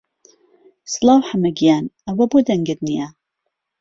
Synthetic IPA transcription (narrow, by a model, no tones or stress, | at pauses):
sɨlˠɑːwħamɐɡijaːnɐwɐboːd̪ɐŋɡəd̪nija